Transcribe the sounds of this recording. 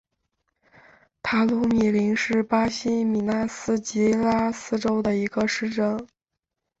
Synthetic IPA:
t̪ʰa˧˥lu˧˥mi˨˩li˧˥ŋʂɻ̩˥˩pa˥ɕi˥mi˨˩na˥sɹ̩˥t͡ɕi˧˥la˥sɹ̩˥ʈ͡ʂo˥ʊd̪ə˨i˧˥ɡə˧ʂɻ̩˥˩ʈ͡ʂɤ˥ŋ

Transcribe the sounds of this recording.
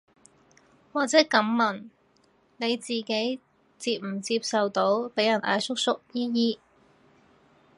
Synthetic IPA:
waː˨k̚t͡sɛː˨˥kɐ˨˥mmɐ˨˩n | ne˨˧jt͡siː˨ke˨˥j | t͡siː˧p̚m̩˨˩t͡siː˧p̚sɐ˨wt̪o˨˥wpe˨˥jɐ˨˩nʔa̰ː˧jsʊ˥k̚sʊ˥k̚jiː˥jiː˥

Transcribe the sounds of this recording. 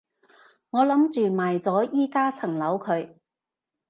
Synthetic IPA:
ŋɔː˨˧lɐ˨˥mt͡ʃyː˨maː˨˩jt͡sɔː˨˥jiː˥kaː˥t͡sʰɐ˨˩ŋlɐ˨˥wkʰɵ˨˧˥ɥ

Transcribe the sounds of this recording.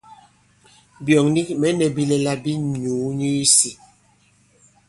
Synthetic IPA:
bjɔ˨ŋni˦mɛ˨˦nɛ˨bi˦lɛ˨la˦bi˦ɲuː˨˦ɲi˦si˨

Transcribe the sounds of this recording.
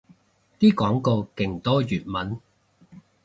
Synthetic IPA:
t̪iː˥kɔː˨˥ŋko˧wkɪ˨˩ŋt̪ɔː˥jyː˨˩t̚mɐ˨˥n

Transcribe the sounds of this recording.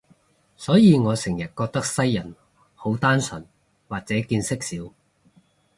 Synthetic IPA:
sɔː˨˥jiː˨˧ŋɔː˨˧sɪ˨˩ŋjɐ˨t̚kɔː˧k̚t̪ɐ˥k̚sɐ˥jːɐ˨˩n | ho˨˥wt̪aː˥nsɵ˨˩n | waː˨t̚t͡sɛː˨˥kiː˧nsɪ˥k̚siː˨˥w

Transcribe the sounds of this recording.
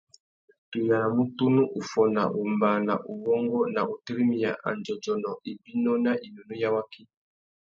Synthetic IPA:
tu˨ja˨a˨mu˦tu˦nu˦ʔu˨fɔ˨na̰˨ʔu˨mba˨na̰˨ʔu˨βɔ˦ŋɡɔ˦na˨ʔu˨ti˦ɾi˦mi˨ja˨ʔa̰˨nd͡ʒɔ˨d͡ʒɔ˨nɔ˨ʔi˨bi˦nɔ˦na˦ʔi˨nu˨nu˦ja˦wa˦ki˦

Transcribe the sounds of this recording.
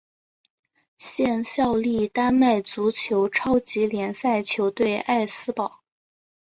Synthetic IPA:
ɕjɛ˥˧nɕjɑ˥˧ʊli˥˩t̪a˥nma˥˩ɪt͡su˧˥t͡ɕʰjo˧˥ʊʈ͡ʂʰɑ˥ʊt͡ɕi˧˥ljɛ˧˥nsa˥˩ɪt͡ɕʰjo˧˥ʊt̪we˥˧ɪʔa˥˩ɪsɹ̩˥pɑ˨˩˦ʊ

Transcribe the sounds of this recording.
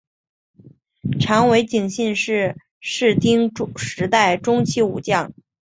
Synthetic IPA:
ʈ͡ʂʰɑ˧˥ŋwe˧˥ɪt͡ɕi˨˩ŋɕi˥˧nʂɻ̩˥˧ | ʂɻ̩˥˩t̪i˥ŋʂɻ̩˧˥t̪a˥˩ɪʈ͡ʂʊ˥ŋt͡ɕʰi˥˩ṵ˨˩t͡ɕjɑ˥˩ŋ

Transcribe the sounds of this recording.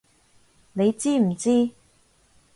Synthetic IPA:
ne˨˧jt͡siː˥m̩˨˩t͡siː˥

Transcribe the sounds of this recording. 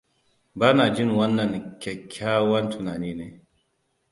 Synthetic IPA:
baː˦naː˨d͡ʒɪ˦ŋwɐ˦nːɐ˨ŋkʲɛ˨kʲʰːaː˦wɐ˦ntʊ˨naː˨niː˦neː˦

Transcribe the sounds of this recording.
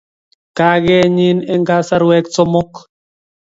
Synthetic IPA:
ka˦ɡɛ˦ɲi˦nɛ˦ŋɡa˦sa˦ɾwɛ˦kt͡sɔ˦mɔ˦k

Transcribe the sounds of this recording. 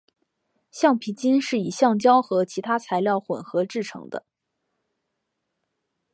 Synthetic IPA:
ɕjɑ˥˩ŋpʰi˧˥t͡ɕi˥nʂɻ̩˥˩i˨˩ɕjɑ˥˩ŋt͡ɕjɑ˥ʊxɤ˧˥t͡ɕʰi˧˥t̪ʰa˥t͡sʰa˧˥ɪljɑ˥˩ʊxwə̰˨˩nxɤ˧˥ʈ͡ʂɻ̩˥˩ʈ͡ʂʰɤ̰˧˥ŋd̪ə̰˧

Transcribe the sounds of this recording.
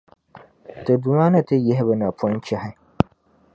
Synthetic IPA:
tɨ˨du˨maː˦na˦tɨ˦jɛ˦ɦɪ˦bɨ˦na˨pɔ˦nt͡ʃɛ˦ha˦

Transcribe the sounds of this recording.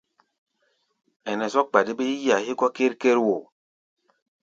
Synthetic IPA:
ɛ˨nɛ˨zɔ˦k̚k͡pa˨di˦be˦i˦ja˨hi˦kɔ˦ke˦ɾke˦ɾwo˨

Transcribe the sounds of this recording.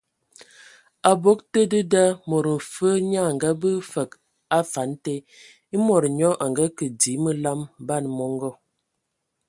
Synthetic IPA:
a˨bo˦k̚tə˦də˦da˦mɔ˨ɾə˨m̩˨fə˦ɲa˦˨ŋɡa˦bə˦fə˨k | a˦fa˨˦nte˦ | i˦mɔ˨ɾɲɔ˦ʔa˨ŋɡa˦kə˨di˨˦mə˦la˦mba˦˨nmɔ˦ŋɡɔ˦˨

